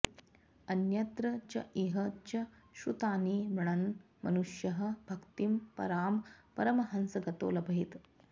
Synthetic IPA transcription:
ɐnjɐt̪ɾɐt͡ʃɐ̰ʔiɦɐt͡ʃɐʃut̪aːniːmɐɳ̃ɐn | mɐnuʂjɐɦɐ̆bʱɐkt̪impɐ̰ɾaːmpɐɾɐmɐɦɐnsɐɡɐt̪o̰ːlɐbʱɐɦit̪

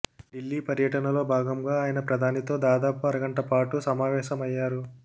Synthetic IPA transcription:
ɖilːiːpɐɾjɐʈɐnɐlo̞ːbʱaːɡɐmɡaːaːjɐnɐpɾɐd̪ʱaːnit̪o̞ːd̪aːd̪aːpuɐɾɐɡɐɳʈɐpaːʈusɐmaːʋɛːʃɐmɐjːaːɾu

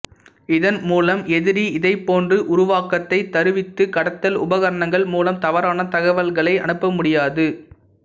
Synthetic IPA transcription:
ɪðɐnmuːlɐmɛðɪɾiɪðɐɪpːoːndrɯʔʊɾʊʋaːkɐt̪ːɐɪt̪ːɐɾɯʋɪt̪ːɯkɐɽɐt̪ːɐlʊbɐɣɐɾɐɳɐŋɡɐɭmuːlɐmt̪ɐʋɐɾaːnɐt̪ɐɣɐʋɐlɣɐɭɐɪʔɐ̰ɳɯpːɐmʊɽɪjaːðɯ

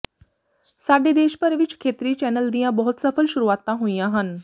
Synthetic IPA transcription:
saːɖed̪eːʃpəɾʋɪt͡ʃkʰeːt̪ɾit͡ʃɛːnəld̪ijãbɔɦʊt̪səfʰəlʃʊɾuaːt̪ːãɦoːijãɦən

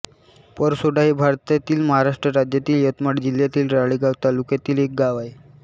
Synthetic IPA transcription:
pəɾsoɖaɦibʱaɾt̪jat̪iːlməɦaɾaʂʈɾəɾad͡ʑjat̪iːljət̪maʈd͡ʑiljat̪iːlɾaɭiɡaʋt̪alukjat̪iːlek̚ɡaʋaj

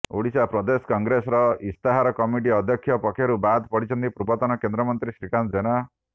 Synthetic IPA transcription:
oɽisapɾɔd̪esɔ̥kɔŋɡɾesɔɾɔist̪aɦaɾɔkɔmiʈ̬iɔd̪ʱjɔkʰːjɔpɔkʰjɔɾubad̪pɔɽit͡ʃʰɔnt̪ipɾubɔt̪ɔnɔkend̪ɾɔmɔnt̪ɾisɾikand͡ʒena

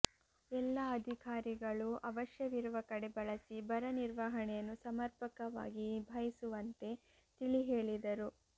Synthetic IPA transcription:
ɛlːɐːd̪ʱikaːɾiɡɐɭuʔɐʋɐʃjɐʋiɾuʋɐkɐɽebɐɭɐsibɐɾɐniɾʋɐɦɐɳɛjɐnːusɐmɐɾpɐkɐʋa̰ːɡibʱɐjisuʋɐnt̪e̞ | t̪iɭiɦeːɭid̪ɐɾu

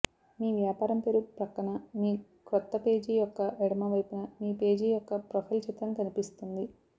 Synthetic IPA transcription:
miːʋjaːpaːɾɐmpeɾupɾɐkːɐɳɐmiː | kɾɔt̪ːɐpe̞ːd͡ʒijɔkːɐʔɛɽɐmɐʋɐjpunɐmiːpe̞ːd͡ʒiːjɔkːɐpɾɐpʰɐlt͡ʃit̪ːɾɐŋkɐnipist̪und̪i

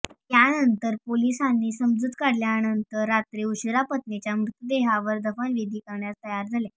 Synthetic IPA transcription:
t̪janənt̪əɾpolisanːiːsəmd͡zut̪kaɽljanənt̪əɾːat̪ɾeuɕɾapət̪net͡ɕjamɾut̪əd̪eɦaʋəɾd̪əfəɳʋid̪ʱiːkəɾɳjast̪əjaɾd͡zʱale

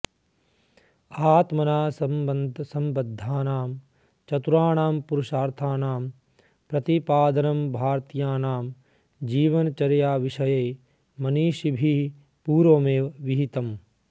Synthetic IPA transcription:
aːt̪mɐnaːsɐnd̪ʱsɐmbɐd̪ʱːaːnaːm | t͡ʃɐt̪uɾaːɳaːmpuɾuʃaːɾt̪ʰaːnaːm | pɾɐt̪ipaːd̪ɐnɐmbʱaːɾt̪jaːnaːm | d͡ʒiːʋɐnɐt͡ʃɐɾjaːʋiʂɐjeː | mɐniːʃibʱi | puːɾoːmeːʋiɦit̪ɐm

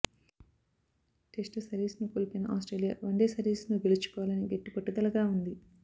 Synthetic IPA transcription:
ʈesʈsɐɾiːsnukoːlipenɐʔa̰ːsʈɾeːlija̰ːʋɐɳɖeːsɐɾiːsnuɡelit͡ʃu̥kɔːʋalɐniɡeʈːipɐʈːud̪ɐlɐɡaːund̪i

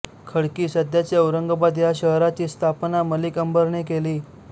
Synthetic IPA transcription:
kʰəɽkiːsəd̪jat͡ɕeəwɾəŋɡəbad̪ʱjaɕəɦɾat͡ɕiːst̪ʰapnaməlikəmbəɾɳekeliː

